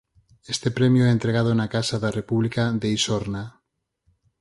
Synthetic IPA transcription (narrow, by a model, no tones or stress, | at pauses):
est̪epɾemjoɛent̪ɾeɣ̞að̞onakasaðarepuβlikaðeisoɾna